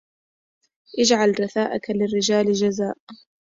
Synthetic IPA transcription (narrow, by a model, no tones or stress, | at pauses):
ʔɪd͡ʒʕalɾˤɑθaːʔakalɪrːɪd͡ʒaːld͡ʒazaːʔ